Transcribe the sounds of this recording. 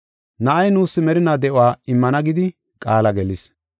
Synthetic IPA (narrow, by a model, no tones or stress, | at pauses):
nɐʔɐjnuːsːɪmɛɾɪnaːd̪ɛʔʊwaːɪmːɐnɐɡɪd̪ɪ | kʼaːlɐɡɛlɪs